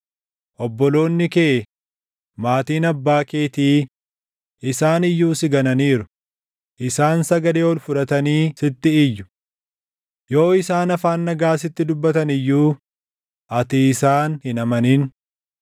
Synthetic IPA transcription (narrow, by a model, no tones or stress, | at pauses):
ʔɔbːɔlo̞ːnːɪkeː | maːt̪iːnɐbːaːke̞ːt̪iː | ʔɪsaːnɪjːuːsɪɡɐnɐniːɾʊ | ʔɪsaːnsɐɡɐleːɔlfʊᶑɐt̪ɐniːsɪt̪ːɪːjːʊ̥ | jo̞ːɪsaːnɐfaːnːɐɡaːs̬ɪt̪ːɪd̪ʊbːɐt̪ɐnɪjːuː | ʔɐt̪iːsaːnhɪnɐmɐniːn